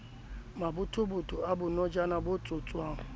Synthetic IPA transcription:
mabʊtʰʊbʊtʰʼʊabʊnɔd͡ʒanabʊt͡sʼʊt͡sʼwaːŋ̩

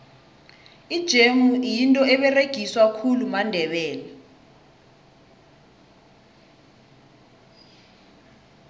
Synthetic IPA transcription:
id̥ʒ̥ʱemujintʼɔɛɓɛreɡ̥ʱiswakʰulumandʱɛɓɛːla

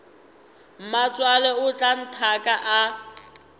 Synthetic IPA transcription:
m̩mat͡sʼwalɛʊt͡ɬʼan̩tʰakʼaʔa

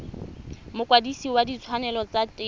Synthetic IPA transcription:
mʊkʼwadisiwadit͡sʰwanɛlɔt͡satʼɪ

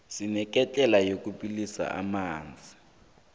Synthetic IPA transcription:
sinɛk̬ʼɛt͡ɬʼɛlajokupʼilisa̰ʔa̰maːnd͡zʱi

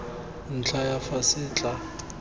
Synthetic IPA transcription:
n̩t͡ɬʰajafasɪːt͡ɬʼa

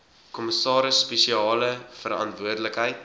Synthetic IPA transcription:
kɔməsɑːɾəsːpeʃiɑːləfəɾɐ̰ntvuərdləkɦəjt

